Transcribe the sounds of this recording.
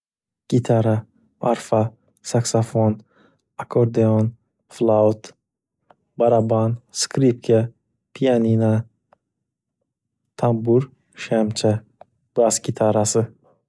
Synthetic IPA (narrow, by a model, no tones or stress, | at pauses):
ɡ̥it̪ʰaɾa | mʔaɾfa | saksafon | akʰoɾd̪eon | flˠawt̪ | baɾabanskɾip̚kʰa | pʰijanina | t̪ʰambuɾ | ʃamt͡ʃʰa | b̥asɡʲit̪ʰaɾasɨ